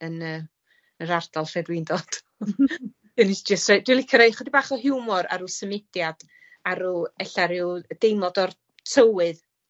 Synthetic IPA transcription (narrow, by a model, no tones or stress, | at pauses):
ənəː | əɾard̥alˠfɛdwɪndɔd̥ | ənɪsd͡ʒəstrad̥wilˠikʰəɾejχədibaːχɔɦɪwmɔɾa̰ɾusəmɪdjad̥ | aɾuɛɬaɾɪwd̥ejmlˠɔdɔr | tʰəwɨð